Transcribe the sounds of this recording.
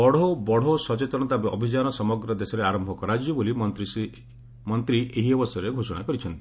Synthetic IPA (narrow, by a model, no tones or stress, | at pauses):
ɔɽobɔɽ̤osɔt͡ʃet̪ɔɽ̃ɔt̪abeʔɔbʱid͡ʒanɔsɔmɔɡɾɔd̪esɔɾeaɾɔmbʱɔkɔɾad͡ʒjɔbolimt̪ɾisi | mɔnt̪ɾiʔeɦiɔbɔst̪ɔɾeɡʱosɔɽ̃a̰kɔɾit͡ʃʰɔnt̪i